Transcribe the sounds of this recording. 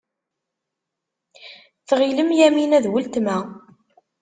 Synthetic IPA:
θʁiləmjæminæðwəlt̪mæ

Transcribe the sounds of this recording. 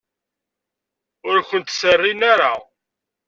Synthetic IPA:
ʊɾkʷənt̪sərːinaɾa

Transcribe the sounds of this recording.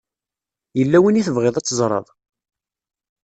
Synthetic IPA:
jəlːæwiniθəvʁeðˤæt͡sːəzˤɾˤɑ̰ðˤ

